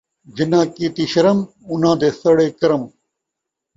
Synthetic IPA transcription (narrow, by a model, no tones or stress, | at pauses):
d͡ʑɪnãːkiːt̪iːɕɐɾɐm | unãːd̪eːsɐɽeːkɐɾɐm